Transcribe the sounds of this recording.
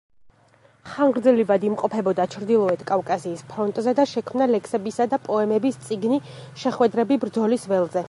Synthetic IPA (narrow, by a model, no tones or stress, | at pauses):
χaŋʁɾd̪zɛlivad̪imqʼɔpʰɛbɔd̪at͡ʃʰɾd̪ilˠɔɛt̪ʰkʼafkʼasiːspʰɾɔnt̪ʼzɛd̪aʃɛkʰmnalɛkʰsɛbisad̪apʼɔɛmɛbist̪sʼiɡniʃɛχwɛd̪ɾɛbibɾd̪zɔlisvɛlˠzɛ